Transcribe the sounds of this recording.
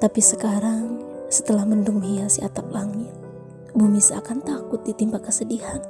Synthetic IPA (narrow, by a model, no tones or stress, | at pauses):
t̪apisəkaɾaŋsə̥t̪əlahmənduŋɦiasiat̪ak̚laŋɲa | bumisaakant̪akʊt̪̚dit̪imbakːəsədihan